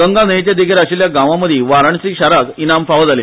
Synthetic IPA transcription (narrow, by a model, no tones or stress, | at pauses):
ɡəŋɡanəjt͡ɕjad̪ikʰeɾaɕiljaɡãʋãməd̪ʱiːʋaɾaɳsiːɕaɾakinamfaʋəd͡zale